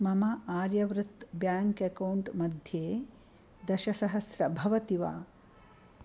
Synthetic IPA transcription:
mɐmɐʔaːɾjɐʋɾɨt̪bjaːŋkekɐwɳʈmɐd̪ʱjeː | d̪ɐʃɐsɐɦɐsɾɐbʱɐʋɐt̪iʋa̰ː

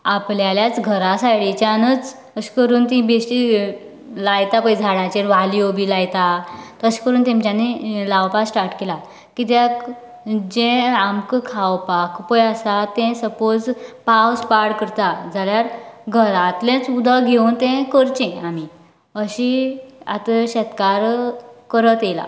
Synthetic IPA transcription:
apljaljat͡sɡʱəɾasajɭit͡ɕanət͡s | əɕi̥kəɾuːnt̪ĩbesʈi | lajt̪apəjd͡zʱaɽãt͡ɕeɾʋalijobʱiːlajt̪at̪əɕi̥kəɾuːnt̪ẽmt͡ɕjanelaʋpassʈaɾʈkela | kit̪jak | d͡ʑẽamkkʰawpakpəjasat̪ɛ̃səpod͡zpawspaɾɽkəɾt̪ad͡zʱaljaɾɡʱəɾat̪lẽt͡sud̪ʱəɡʱewnt̪ɛ̃kəɾt͡ɕɛ̃ami | əɕia̰t̪əɕɛt̪kaɾkəɾət̪ela̰

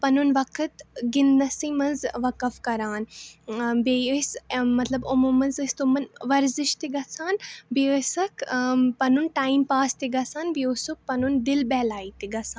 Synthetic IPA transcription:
pɐnunʋɐkʰət̪ɡɪnnɐsĩːmɐnzʋɐkɐfkɐɾaːn | beəsmɐt̪lɐbomoːmɐnzɨst̪omɐnʋɐɾzɪʃt̪eɡɐsʰaːnbiəsɐkʰpɐnunʈaːimpaːst̪iɡɐsaːnbiosuk̚pɐnund̪ɪlbɛːlaːiːt̪iɡɐsaːn

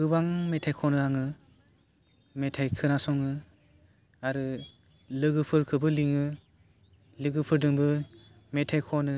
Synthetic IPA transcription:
ɯbaŋmetʰajkʰɔnɯaŋɯ | metʰajkʰɯnasɔŋɯ | aɾɯ | lɯɡɯpʰɯɾkʰɯbɯliŋɯ | lɯɡɯpʰɯɾdɯŋbɯ | metʰajkʰɔnɯ

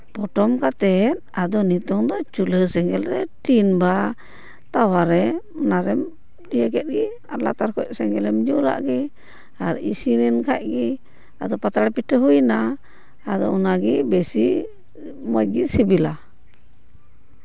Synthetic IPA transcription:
pɔʈɔmkat̪ɛt̪̚ad̪ɔnit̪ɔŋd̪ɔt͡ʃuləsɛŋɡɛlɾɛʈinba | t̪awaɾɛɔnaɾɛm | dijəkɛt̪̚ɡi | aɾla̰t̪aɾkɔc̚sɛŋɡɛlɛmd͡ʒula̰ʔɡɛ | aɾḭsinɛnkʰaʔ̚ɡi | ad̪ɔpat̪aɽpiʈʰəɦujnaː | d̪ɔɔnaɡibɛsi | mɔj̚ɡisibila

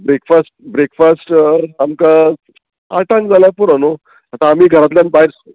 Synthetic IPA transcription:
bɾekfasʈ̚bɾekfasʈamka | aʈãŋkd͡zaljapuɾano | at̪aːmiːɡʱəɾat̪ljanbaiɾs

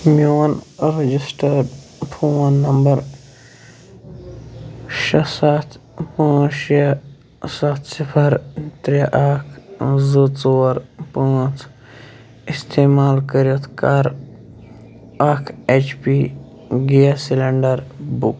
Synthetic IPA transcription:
mʲjoːnɾed͡ʒisʈəɾɖpʰoːnːɐmbɐɾ | ʃɐsat̪ʰpãːʃɐ | sat̪ʰsipʰɐɾt̪ɾeʔakʰzut͡soːɾpãːt͡s | ɪst̪ʰeːmaːlkəɾit̪ʰkaɾ | akʰet͡ʃpi | ɡijasilɐɳɖɐɾbuk

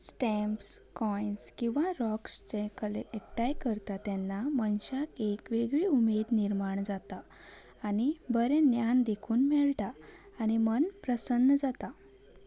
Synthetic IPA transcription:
sʈɛmpskɔjnskĩw̃ʋaɾɔkst͡sekəleʔekʈajkəɾt̪at̪ɛnːamənɕakekʋeɡɭiumed̪niɾmaɳd͡zat̪aː | nibəɾenjand̪ekʰuːnmɛɭʈaː | nimənpɾəsənːəd͡zat̪a

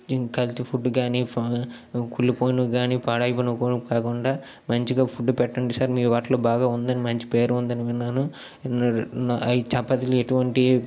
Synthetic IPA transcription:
kɐlt̪ipʰuɖːɡaːniːp | kulːipoːjnuɡaːniːpaːɽɐjipɐnukoukaːkuɳɖaː | mɐɲt͡ʃiɡaːpʰuɖːupɛʈːɐɳɖisaːɾmiːɾuʋaːʈloːbaːɡaːund̪ɐnimɐɲt͡ʃi̥pe̞ːɾund̪ɐniʋinːaːnu | it͡ʃɐpːɐt̪ilueʈuʋɐɳʈi

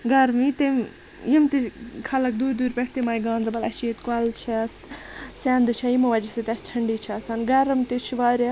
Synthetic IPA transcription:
ɡɐɾmit̪em | jimt̪ikʰɐlɐk̚d̪uːɾd̪uːɾpʲeʈʰt̪imaːjɡãːnd̪ɾɐbɐlɐʃiːt̪kɐlt͡ʃʰas | saːnd̪ɨt͡ʃʰɐjimɐʋɐd͡ʒiset̪ʲɐsʈʰɐɳɖiːt͡ʃʰɐsaːnɡɐɾɐmt̪it͡ʃʰʋaːɾa

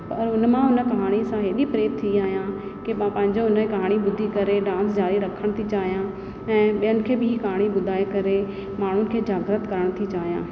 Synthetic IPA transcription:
pɐɾʊnmãʊnəkɐɦaːɽ̃isãɦeːɗipɾeːt̪ʰiiaːɦijãkemãpɐ̃ɦɪ̃ɲd͡ʑoʊnkɐɦaːɽ̃iɓʊd̪ʱikɐɾeɖãːnsd͡ʒaːɾiɾɐkʰəɽ̃t̪ʰit͡ʃaːɦijã | ɛ̃ːɓijənɪ̆kʰeːbɪɦikɐɦaːɽ̃iɓʊd̪ʱaːekɐɾe | maːɳ̤ʊnɪ̆kʰeːd͡ʑaːɡɾət̪kɐɾəɽ̃t̪ʰit͡ʃaːɦijãː

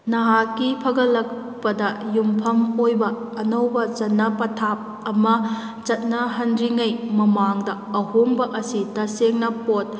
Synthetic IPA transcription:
nɐɦakːipʰɐɡɐlɐk̚ | pɐdɐjumpʰɐmojbɐː | nɐwbɐt͡ʃɐt̚nɐpɐtʰap̚ | ɐmɐ | t͡ʃɐt̚nɐɦɐnɾiŋɐjmɐmaŋdɐ | ɐhoŋbɐʔɐsitɐseŋnɐpot̚

